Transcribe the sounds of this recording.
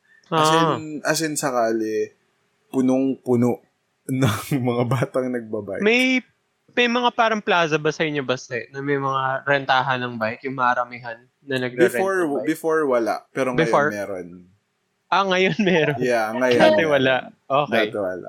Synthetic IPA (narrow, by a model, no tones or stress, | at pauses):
ʔaɐsnʔɐsɪnsɐkaːlɪ | pʊnoŋpʊnoʔ | nɐŋmɐŋabaːt̪ɐŋnɐɡ̚bɐba̰jmɐj | mɐjmɐŋapaːɾɐŋplaːzɐbɐsɐjɪɲːobɐsɛʔnɐmɐjmɐŋaɾɛnt̪aːɦɐnɐŋbajt̪jʊŋmɐʔɐɾɐmɪɦanːɐnɐɡ̚ɾbɪfɛoɹbɪfoɹwɐla̰ʔpɛːɾoŋbɪjoɹmɛːɾon | ʔɐŋɐjonmɛːɾonjaŋɐjat̪ɛwɐlaʔʔoːkɛjt̪ɛala̰ʔ